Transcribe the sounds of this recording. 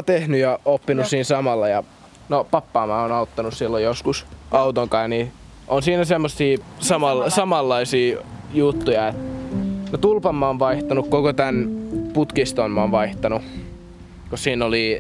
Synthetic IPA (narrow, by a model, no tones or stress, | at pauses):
t̪ehnyjɑopːinussiːnsɑmɑlːɑjɑ | nopɑpːɑːmɑːonɑut̪ːɑnussilːojoskusʔɑut̪oŋkɑːjni | ʔonsiːnæsemːosːiːsɑmɑlsɑmɑlːɑisiːjut̪ːujɑet̪not̪ulpɑmːɑonʋɑiht̪ɑnukkokot̪ænput̪kist̪omːɑoːnʋɑiht̪ɑnu | kosiːnːoli